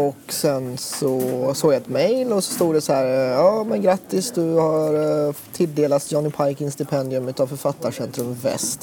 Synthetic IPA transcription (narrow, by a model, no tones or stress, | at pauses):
ɔksɛnsɔsoːɡjaɛt̪mɛjlɔsɔ̥st̪uːɖ̪ɛsɔhæːɾjɑːmɛnɡɾat̪ːɪsd̪ɵhaɾt̪ʰːɪld̪eːlat̪sjɑːnɪpʰajkɪnsd̪ɪpʰɛnd̪ɪɵmʉ̟t̪avfœɾfat̪ːaʂɛnt̪ɾɵmvɛ̰st̪